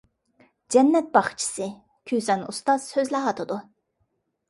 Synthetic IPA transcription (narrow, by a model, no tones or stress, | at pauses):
d͡ʒɛnːɛt̪̚bɑχt͡ʃʰi̥sɨ | kʲʰysɛnust̪ɑz̥høzlæɦɑt̪ʰɨd̪u